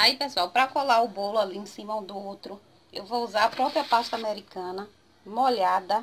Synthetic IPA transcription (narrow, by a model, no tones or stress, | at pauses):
aipesuawpɾɐkɔlaʊbolʊaliẽsĩmɐũd̪ʊowt̪ɾʊ | ewvouzaɾapɾɔpɾiɐpaʃt̪ɐameɾikɐ̃nɐ | moʎad̪ɐ